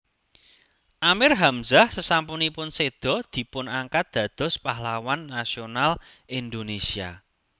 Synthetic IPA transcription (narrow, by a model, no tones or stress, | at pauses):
ʔamɪrɦamzahsəsampunipʊnsed̪̥ɔ̤d̪̥i̤pʊnaŋkat̪̚d̪̥ä̤d̪̥ɔ̤spahlawanːasional | ʔind̪onesia̰